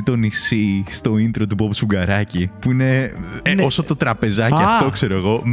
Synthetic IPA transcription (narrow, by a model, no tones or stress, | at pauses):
it̪o̞nisist̪o̞ind̪ɾo̞t̪upopu̥suɡɐɾɐcipuine̞osot̪o̞t̪ɾɐpe̞zɐciɐfft̪o̞kse̞ɾo̞eɣo̞m